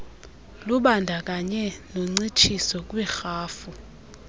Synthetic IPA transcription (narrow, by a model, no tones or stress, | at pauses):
luɓandʱak̬ʼaɲɛnoŋ͡ǀit͡ʃʰisɔk̬ʼwɛxaːfu